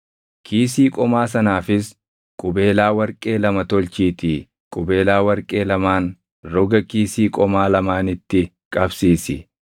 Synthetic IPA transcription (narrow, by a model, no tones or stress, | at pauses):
kʰiːs̬iːkʼɔmaːsɐnaːfɪs | kʼʊbe̞ːlaːwɐɾkʼe̞ːlɐmɐt̪ɔlt͡ʃiːt̪iː | kʼʊbe̞ːlaːwɐɾkʼe̞ːlɐmaːn | ɾɔɡɐkiːsiːkʼɔmaːlɐmaːnɪt̪ːɪ | kʼɐbsiːsɪ̰